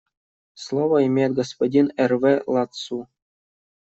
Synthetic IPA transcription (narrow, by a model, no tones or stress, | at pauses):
slˠoʋəimʲet̪̚ɡospodʲinervʲelˠɑt̪su